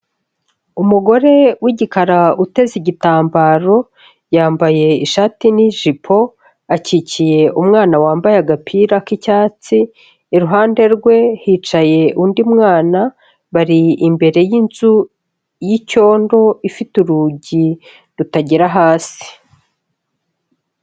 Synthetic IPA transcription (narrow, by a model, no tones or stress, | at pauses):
umuɡo̞ɾe̞wiɟikaɾaute̞ziɟitaːmbaːɾo̞ | jaːmbaje̞iʃaːtiniʒipʰo̞ | acicije̞ʔumŋaːnawaːmbajaɡapʰiːɾakicaːt͡siː | ɾuɦaːnde̞ɾɡwe̞hit͡ʃaje̞undimŋaːna | βaɾiimbe̞ɾe̞jinzu | jico̞ːndo̞ifituɾuɟi | ɾutaɟiɾaɦaːsi̥